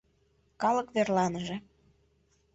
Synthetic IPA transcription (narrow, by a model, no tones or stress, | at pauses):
kɑlɤ̆kβerlɑnəʒĕ